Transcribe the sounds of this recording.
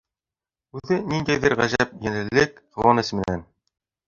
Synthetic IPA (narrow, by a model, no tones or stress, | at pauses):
ʉðɘnind̪æjðɘɾʁæʑæp̚jænɘ̆lɘkq̪ɤ̆wɑnɘsmɘ̆næn